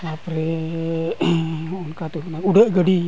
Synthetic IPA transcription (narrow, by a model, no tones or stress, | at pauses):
apɾe | unkat̪uɦnauɖəʔɡəɖi